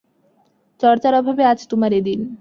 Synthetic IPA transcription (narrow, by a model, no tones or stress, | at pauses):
t͡ɕɔɾt͡ɕaɾobʱabead͡ʑʰt̪umaɾed̪in